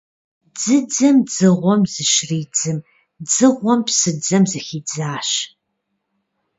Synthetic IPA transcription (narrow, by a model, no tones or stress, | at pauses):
d͡zɨd͡zɐmd͡zɨʁʷɔmzɨʃriːd͡zɨm | d͡zɨʁʷɔmpsɨd͡zɐmzɨxiːd͡zaːɕ